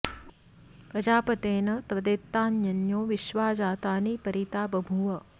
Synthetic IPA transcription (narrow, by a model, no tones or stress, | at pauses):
pɾɐd͡ʒaːpɐt̪eːnɐt̪ʋɐd̪eːt̪ːaːnjɐnjoːʋiʃʋaːd͡ʒaːt̪aːniːpɐɾit̪aːbɐbʱuʋɐ